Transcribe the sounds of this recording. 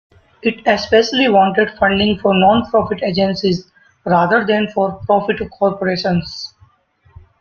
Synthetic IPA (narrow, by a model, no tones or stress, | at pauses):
ɪʈespeʃəliʋɔ̃ːɳʈeɖfʌ̃ɳɖɪ̃ŋɡfɔːɾnɔ̃ːnpɾɔːfɪʈed͡ʒɛ̃nsiz | ɾaːd̪əɾd̪ɛ̃nfɔːɾpɾɔːfɪʈkʰɔːɾpoɾeːʃə̃ns